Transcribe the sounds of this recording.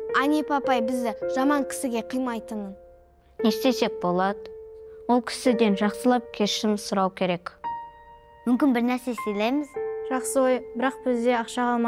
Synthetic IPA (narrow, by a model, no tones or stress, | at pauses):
ɑnʲepɑpɑjbɪzd̪ɪʒɑmɑŋkʲʰɪ̥sɪɡʲe̞qʰijmɑjt̪əɴən | ne̞st̪e̞se̞k̚bo̞lˠɑd̪əwo̞lˠkʲʰɪ̥sɪd̪e̞nʒɑqsəlˠɑp̚kʲʰe̞ʃɪmsʊɾɑwkʲʰe̞ɾe̞k | mʏmkʲɪnbɪɾnæɾsesejlejmɪzʒ̥ɑqsəwo̞jbɪɾɑq̚b̥ɪzd̪e̞ɑqʃɑqɑlˠmɑ